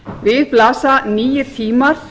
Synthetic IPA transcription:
vɪðplaːsaniːjɪ̥t̪ʰiːmaɾ̥

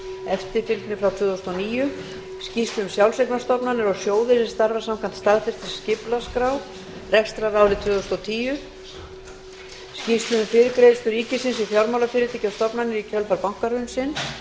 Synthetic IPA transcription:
ɛft̪ɪɾfɪlt̪nɪfɾawt̪ʰvʏːðɔst̪ɔniːjʏ | scist̪lʏʏmsjawlsejknast̪ɔpnanːɪɾɔɣsjoːwðɪsɪ̥st̪aɾvaɾsamkʰant̪st̪aðfɪst̪ɪ̥scɪplaskɾaw | rɛkst̪ɾaɾaːwlɪt̪vʏːðɔst̪ɔt̪ʰiːjʏ | scist̪lʏʏmfɪɾɪkɾeːst̪ʏɾiːcɪsɪnsifjawɾmawlafɪɾɪt̪ɪcast̪ɔpnanɪɾicʰœlfaɾpawŋ̥kaɾʏnsɪn

